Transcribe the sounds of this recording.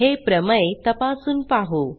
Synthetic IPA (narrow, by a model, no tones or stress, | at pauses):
ɦepɾəməet̪əpasuːnpaɦo